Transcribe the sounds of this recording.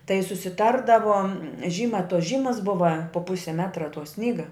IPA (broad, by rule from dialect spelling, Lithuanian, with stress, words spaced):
tɐɪ sʊsʲɪˈtɐrdɐʋoː ˈʒʲiːmɐ toːs ˈʒʲiːmɐs ˈbʊʋɐ poː ˈpʊsʲɪ ˈmʲæːtrɐ toː ˈsʲnʲiːɡɐ